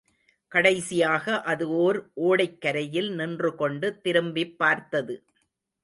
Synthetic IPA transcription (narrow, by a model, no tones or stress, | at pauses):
kɐɽɐɪsɪjaːɣɐʔɐðɯoːɾʔoːɽɐɪkːɐɾɐjɪlnɪndrɯkɔɳɖɯt̪ːɪɾɯmbɪpːaːɾt̪ɐðɯ